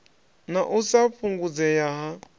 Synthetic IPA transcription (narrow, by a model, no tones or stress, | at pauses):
naʔusaɸuŋɡud͡zɛjaɦa